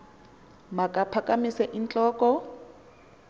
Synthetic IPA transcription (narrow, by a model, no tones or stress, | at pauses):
makʼapʰakʼamisɛʔint͡ɬʼɔːkʼɔ